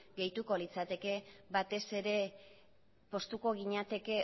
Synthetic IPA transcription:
ɡe̞jt̪uko̞lit͡sat̪e̞ke̞βat̪e̞se̞ɾe̞ | po̞st̪uko̞ɣ̞iɲat̪e̞ke̞

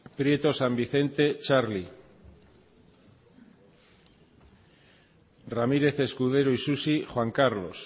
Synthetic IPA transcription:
pɾje̞t̪o̞sambiθe̞nt̪e̞t͡ʃaɾli | ramiɾe̞θe̞skuðe̞ɾoisusixwaŋkaɾlo̞̰s

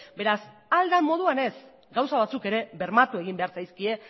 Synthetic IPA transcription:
be̞ɾas | ald̪amːo̞ð̞uane̞s | ɡawsaβ̞at͡suke̞ɾe̞βe̞ɾmat̪ue̞ɣimbe̞aɾsajskie̞

